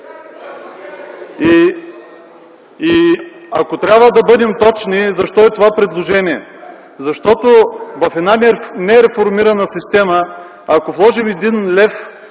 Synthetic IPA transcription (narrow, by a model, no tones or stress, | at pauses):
ɐkot̪ɾʲjabvəd̪ɐbɤd̪ɛmt̪ɔt͡ʃnizɐʃt̪ɔɛt̪ovapɾɛd̪lˠoʒɛniɛ | zɐʃt̪ɔt̪ovɐfɛd̪nannɛɾɛfoɾmiɾɐnəsist̪ɛməː | koflˠɔʒimɛd̪inlɛf